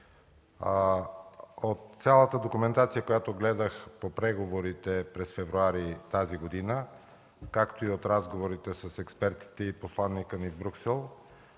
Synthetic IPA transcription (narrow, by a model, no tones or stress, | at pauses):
ot̪sʲalˠət̪əd̪okumɛnt̪at̪sijəkojat̪oɡlɛd̪əxpopɾɛɡovoɾit̪ɛpɾɛsfɛvɾuaɾit̪aziɡod̪inə | kakt̪oiot̪ɾazɡovoɾit̪ɛsɐsɛkspɛɾt̪i̥t̪ɛiposlˠanːikənivbɾuksɛlˠ